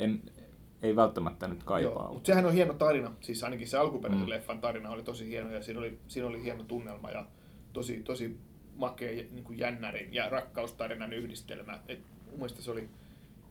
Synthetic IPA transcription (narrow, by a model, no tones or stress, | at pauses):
en | eiʋælt̪ːæmæt̪ːænyt̪kɑijoːʋɑ̰ːmut̪sehænohienot̪ɑrinɑsiːsɑinɑkisseɑlkuperæselefːɑnt̪ɑrinɑolit̪osihienojɑsiːnolisiːnolihienot̪unːelmɑ̰jɑ̰ | t̪osit̪osi | mɑkeːjniːŋkujjænːærinjɑrɑkːɑust̪ɑrinɑnyhdist̪ḛlmæ̰et̪ | umːuist̪ɑseoli